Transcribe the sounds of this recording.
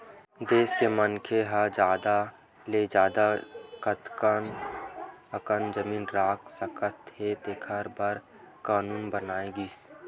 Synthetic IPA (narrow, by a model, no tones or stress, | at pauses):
d̪eːskemənkʰeɦəd͡ʒaːd̪a | led͡ʒaːd̪akət̪kən | əkənd͡ʒəmiːnɾaːkʰsəkət̪het̪ekʰəɾbəɾ | kaːnuːnbənaːeɡiːs